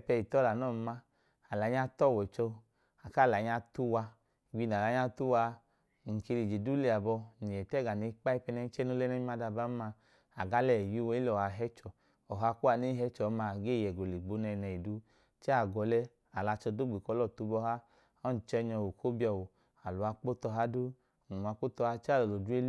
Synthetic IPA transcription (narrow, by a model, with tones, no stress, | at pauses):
pɛ˧i˨tɔ˦la˨nɔ˦˨˧ma˦ | a˨la˨˦ɲa˦tɔ˦˨wɛ˨t͡ʃɔ˧ | a˨ka˦˨la˨˦ɲa˧tu˦wa˧˨ | ɡ͡bi˧na˨la˨˦ɲa˧tu˦wa˧˨ | ŋ̩˨ke˧li˨d͡ʒe˨du˦li˧˨a˨bɔ˧ni˨jɛ˨tɛ˦˨ɡa˨ne˨˦k͡pa˦i˦pɛ˧nɛ˧n˦t͡ʃɛ˦no˧˦lɛ˦nɛ˦i˦ma˧da˧ba˦ma˧ | a˨ɡa˨˦lɛ˨ji˦wɔ˧˦i˦lɔ˨ha˧˨ɦɛ˦t͡ʃɔ˨ | ɔ˨ɦa˧ku˦a˧˨ne˦ɦɛ˧˦t͡ʃɔ˨˦ma˧ɡe˦˨jɛ˨ɡo˨li˨ɡ͡bo˧˦nɛ˧nɛ˨i˨du˧ | t͡ʃɛ˦a˨ɡɔ˧lɛ˧ | a˨la˧t͡ʃɔ˧du˦ɡ͡bi˨kɔ˧˦lɔ˦˨tu˧˦bɔ˧ɦa˦ | ɔ˦n̩˨t͡ʃɛ˧˦ɲɔ˧˨wo˨kʰo˦bi˦ɔ˧˨wo˨ | a˨lu˨a˧k͡po˦tɔ˧ɦa˦du˦˨ | n̩˨a˧k͡po˦tɔ˧ha˦t͡ʃa˦˨ɔ˨lo˨du˦e˦l